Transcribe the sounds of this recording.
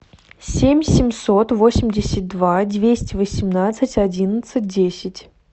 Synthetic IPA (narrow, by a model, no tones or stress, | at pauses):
sʲemʲsʲɪmʲso̞t̪vo̞sʲɪmʲdʲɪsʲɪt̚d̪vadʲvʲesʲtʲɪvəsʲɪmnat̪sɨtʲɐdʲinət̪sɨt̚ʲdʲesʲɪtʲ